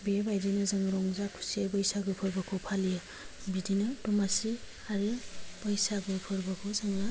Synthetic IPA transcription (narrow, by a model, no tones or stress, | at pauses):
bebajdinɯzaŋɾɔŋzakʰu̥siabɯjsaɡɯpʰɯɾbakʰɔpʰalija | bidinɯtɔmasi | aɾɯpajsaɡɯpʰɯɾbɐkʰuzaŋa